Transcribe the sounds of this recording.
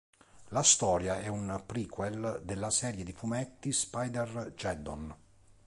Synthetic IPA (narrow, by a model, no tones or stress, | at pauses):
last̪ɔːɾjaɛunpɾikwɛld̪elːasɛːɾjed̪ifumɛt̪ːispajd̪ɛrd͡ʒɛd̪ɔ̰n